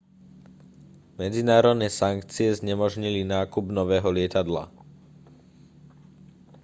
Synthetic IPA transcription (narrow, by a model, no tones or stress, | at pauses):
mɛd͡zinaːɾɔd̪nɛːsaŋkt͡siɛzɲɛmɔʒɲilinaːkubnɔʋɛːɦɔlɪɛt̪ad̪la̰